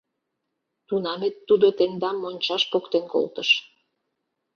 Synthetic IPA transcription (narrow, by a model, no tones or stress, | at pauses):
t̪unɑmet̪ːud̪ot̪end̪ɑmːonʲt͡ɕɑʃpokt̪enko̰lt̪əʃ